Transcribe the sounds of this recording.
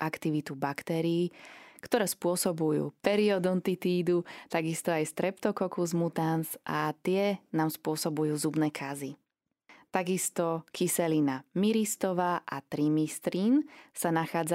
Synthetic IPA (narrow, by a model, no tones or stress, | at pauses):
ʔakt̪iʋit̪ubakt̪ɛːɾiːkt̪ɔɾɛːspʊɔsɔbujṵːpɛɾiɔd̪ɔnt̪it̪iːd̪ut̪aɡist̪ɔajst̪ɾɛpt̪ɔkɔkuzmut̪anzʔat̪ɪɛnaːmspʊɔsɔbujuːzubnɛːkʰazi | t̪aɡist̪ɔkʰisɛlinamiɾist̪ɔʋaːʔat̪ɾimist̪ɾinsanaxaːd͡za